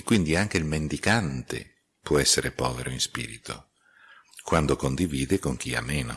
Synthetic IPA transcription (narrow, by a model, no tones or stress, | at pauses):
kːwind̪iaŋk̟eilmend̪ikant̪ḛ | pwɔɛsːeɾepɔːveɾoinspḭːɾit̪ʰo̰ | kwand̪okond̪iviːd̪ekoŋk̟ia̰mːeːno̰